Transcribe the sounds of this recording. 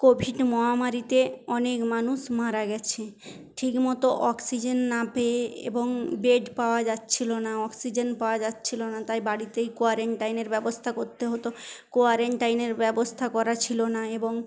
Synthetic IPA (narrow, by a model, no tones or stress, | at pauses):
kobʱiɖmɔɦamaɾit̪eɔnekmanuʃmaɾaɡɛt͡ɕʰe | ʈʰikmɔt̪oʔɔksid͡ʑenːapeeḛboŋbeɖpaoad͡ʑatːt͡ɕʰilonaɔksid͡ʑenpaoad͡ʑatːt͡ɕʰilonat̪ajbaɽit̪ejkoaɾeɳʈajneɾbɛbost̪ʰakoɾt̪eɦot̪okoaɾeɳʈajneɾbɛbost̪ʰakɔɾat͡ɕʰilonaeboŋ